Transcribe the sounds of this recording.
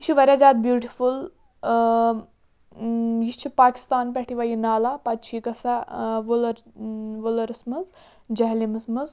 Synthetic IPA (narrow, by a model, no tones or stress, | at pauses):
jit͡ʃʰiʋɐɾʲad͡ʒaːt̪̚bjuːʈiful | jit͡ʃʰipaːki̥st̪aːnpʲɛʈʰiʋajinaːlapɐt̪t͡ʃʰiːkɐsaʋulɐɾʋulɐɾɨsmɨz | d͡ʒɐɦlimɨsmɨz